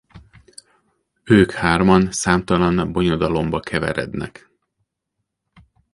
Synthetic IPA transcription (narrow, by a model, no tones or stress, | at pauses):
øːkhaːrmɒnsaːmt̪ɒlɒnbo̞ɲod̪ɒlo̞mbɒkʰɛvɛ̰ɾɛ̰d̪nɛ̰k